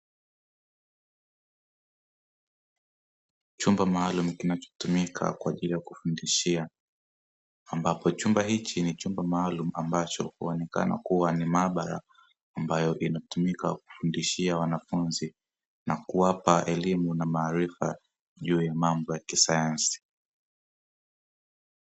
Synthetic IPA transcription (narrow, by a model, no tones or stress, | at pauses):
t͡ʃumbamaalumukinat͡ʃɔ̥tumikʰa̰kwaːʄilijakufundiʃia | ambapɔt͡ʃumbaɦit͡ʃinit͡ʃumbamaalumuambat͡ʃɔ̰huɔnɛka̰na̰kuwanimaːɓaɾa̰ː | mbajɔʔinatumika̰ku̥fundiʃiawanafunzi | nakuwapaʔɛlimunamaːɾifa | ʄuːjamambɔjakisajansi̥